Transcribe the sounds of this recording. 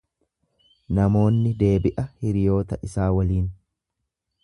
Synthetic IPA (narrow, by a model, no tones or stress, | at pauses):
nɐmo̞ːnːɪd̪e̞ːbɪʔɐhɪɾɪjo̞ːt̪ɐʔɪsaːwɐliːn